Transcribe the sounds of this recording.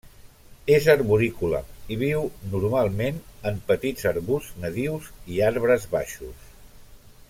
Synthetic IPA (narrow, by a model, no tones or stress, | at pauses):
ezəɾβuɾikulə̰iβiwnuɾmalˠmenəmpət̪id͡zəɾβuznəðiwziaɾβɾəzβa̰ʃus